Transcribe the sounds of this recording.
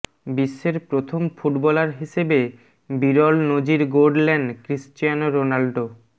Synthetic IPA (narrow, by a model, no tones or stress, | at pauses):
biʃːeɾpɾot̪ʰomfuʈbɔlaɾɦiʃebe | biɾɔlnod͡ʑiɾɡoɖlɛɳɖkɾisʈijanɾonalɖo